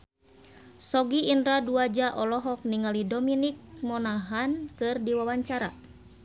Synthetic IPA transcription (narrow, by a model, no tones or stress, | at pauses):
sɔɡiːndɾaduad͡ʒaʔɔlɔɦɔk̚niŋalidɔminik̚mɔnaɦankɨrdiwawaɲt͡ʃaɾa̰